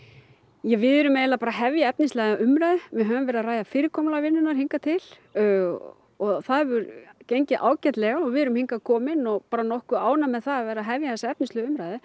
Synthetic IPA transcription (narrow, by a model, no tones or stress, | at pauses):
jɛɣvɪðʏɾʏmejlapaːɾaɦɛvjaɛpnɪnst̪lɛːɣaʔʏmɾajðɪvɪɦœːvʏmvɛːɾɪðaraːjðafɪːɾɪkʰɔmlavɪnːʏnaɾ̥hiŋkat̪ʰɪl | ɔɣθaðvʏɾcejɲcɪʔaːwcɛt̪lɛɣaɔɣvɪɛɾʏmhiŋkakʰɔːmɪnɔɣpaːɾanɔhkʏaːwnamɛðθaðavɛːɾaðɦɛvjaθɛsaɛp̚nɪnslʏʏmɾajðɪ